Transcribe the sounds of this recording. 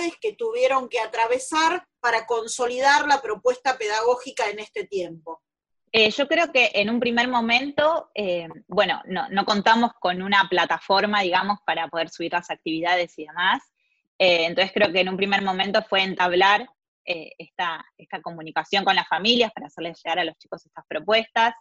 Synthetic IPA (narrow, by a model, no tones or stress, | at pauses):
ðeske̞t̪uβje̞ɾo̞ŋkeat̪ɾaβe̞saɾ | paɾako̞nso̞liðaɾlapɾo̞pwe̞st̪apeðaɣo̞xikaenest̪e̞t̪jempo̞ | eʒo̞kɾe̞oke̞ʔenumpɾime̞ɾmo̞mẽ̞nt̪o̞ebwe̞no̞̰no̰no̞ko̞nt̪amo̞sko̞nunaplat̪afo̞ɾmaðiɣamo̞spaɾapo̞ð̞e̞ɾsuβ̞iɾlasak̚t̪iβiðað̞e̞siðe̞mas | eːnt̪onse̥kɾe̞okeːnumpɾime̞ɾmo̞mẽnt̪o̞fwe̞ːnt̪aβ̞laɾ | eest̪aest̪ako̞mũnikasjo̞ŋko̞nlasfamiljapaɾaːseɾle̞zʒ̥e̞ɣaɾalo̞st͡ʃi̥ko̞sest̪aspɾo̞pwe̞st̪as